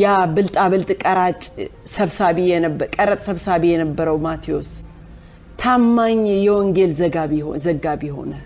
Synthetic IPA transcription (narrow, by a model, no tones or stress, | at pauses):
jabɨlt̪ʼaβɨlt̪ʼkʼəɾat͡ʃʼsəβsaβijɛnəbəkʼəɾət̪ʼsəβsaβijɛnəbːəɾəwmat̪ʰio̞s | t̪ʰamːaɲːjɛwɔŋɡelzəɡaβihozəɡaβiho̞̰nə